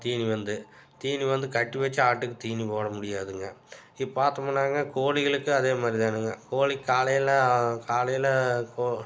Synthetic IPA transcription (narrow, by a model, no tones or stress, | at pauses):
t̪iːniʋɐnd̪ɯt̪iːniʋɐnd̪ɯkɐʈːɯʋɐt͡ʃːɯaːʈːɯkːɯt̪iːnipoːɽɐmʊɽɪjaːðɯŋɡɐ | ɪpːaːɾt̪ɐmɐɳːaːŋɡɐkoːlɪɣɐɭɯkːɯɐðeːmaːd̪ɾit̪aːnɯŋɡɐkoːɻikːaːlɐjɐlɐkaːlɐjɐlɐkoː